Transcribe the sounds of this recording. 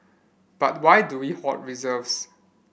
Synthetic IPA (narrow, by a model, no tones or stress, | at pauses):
b̥at̚wajduwihɔt̚ɹizəvs